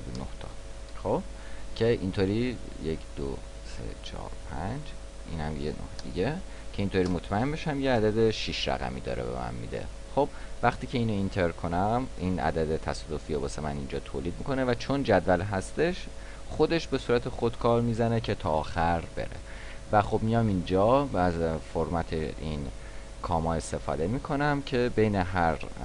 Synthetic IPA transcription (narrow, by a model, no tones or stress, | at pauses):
no̰ht̪ʰɒ̰ːxob̥̚ | cʰe̞ʔint̪ʰoːɾiːjecʰd̪̥o̰ | sḛt͡ʃʰɒ̰ːɾpʰænd͡ʒ | ʔḭːnhæ̰mjḛno̰hd̪̥iɟe | cʰe̞int̪ʰoːɾiːmo̞t̪ʰmæembeʃæmjeæd̪æd̪eʃiʃɾæ̰ɣæ̰mḭːd̪ɒ̰ːɾḛbḛmæ̰mmḭd̪ḛ | xobvæχt̪ʰiːcʰe̞iːnoint̪ʰeɾkʰo̞næminʔæ̰d̪æd̪et̪ʰæsɒːd̪o̞fiobɒːsemænind͡ʒɒːt̪ʰoːliːd̪̚mikʰo̞nevæt͡ʃʰo̞nd͡ʒæd̪vælɦæst̪e̞ʃ | xod̪e̞ʃbe̞suːɾæt̪ʰexo̞d̪̥kʰɒːɾmiːzænecʰe̞t̪ʰɒːxæɾbe̞̰ɾḛ | væxo̞bmijɒmind͡ʒɒːæzfoɾmæt̪ʰeʔin | kʰɒːmɒːe̞st̪e̞fɒ̰ːd̪e̞miːkʰo̞næmcʰe̞be̞jne̞ɦæɾ